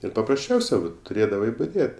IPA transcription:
ɪr pɐprɐsʲˈt͡ʃʲɛʊsʲɛ ʋɐt tʊˈrʲeːdɐʋɐɪ bʊˈdʲeːt

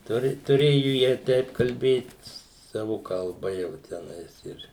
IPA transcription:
ˈtʊrʲɪ tʊˈrʲeːjʊ jiɛ ˈtʲɛɪp kɐlʲˈbʲeːt ˈsɑːʋʊ kɐlˠˈbɐ jɛʊ tʲɛˈnɐɪs ɪr

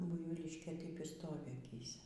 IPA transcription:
ˈbʊɪʋʲiːlʲiːʃʲkʲeː ˈtɐɪp iː ˈstoːʋʲɪ ɐˈkʲiːsʲɛ

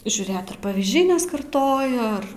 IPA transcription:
ʒʲuːˈrʲeːt ɐr pɐʋʲiːzʲˈd͡ʒʲɛɪ nʲɛskɐrˈtoːjɛ ˈɐr

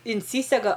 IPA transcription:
ɪnʲˈsʲiːsʲɛɡɐ

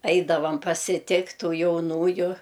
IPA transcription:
ˈɐɪdɐʋɐm pɐsʲɪˈtʲɪktʲ ˈtuː jɛʊˈnuːjʊ

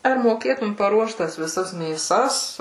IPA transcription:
ɐr moːˈkʲeːtʊm pɐˈruɔʃt ˈtɐs ʋʲɪˈsɐs mʲeːˈsɐs

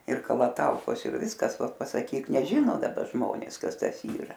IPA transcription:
ɪr kɐlˠɐˈtɐʊkoːs ɪr ˈʋʲɪskɐs ˈʋɐt pɐsɐˈkʲiːk nʲɛˈʒʲɪnoː dɐˈbɐ ˈʒmoːnʲeːs ˈkɐs ˈtɐs ˈiːrɐ

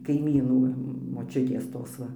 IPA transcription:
kɐɪˈmʲiːnuː moːˈt͡ʃʲʊtʲeːs ˈtoːs ˈʋɐ

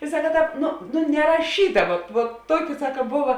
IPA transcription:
ɪ ˈsɑːkɐ ˈtɑːp ˈnʊ nʊ nʲɛrɐˈʃʲiːtɐ ʋɐt ʋuɔt ˈtuɔkʲɪ ˈsɑːkɐ ˈbʊʋɐ

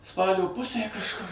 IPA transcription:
ˈspɑːlʲoː ˈpʊsʲeː kɐʃˈkʊr

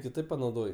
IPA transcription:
kʲɪˈtɐɪp pɐnɐʊˈdoːj

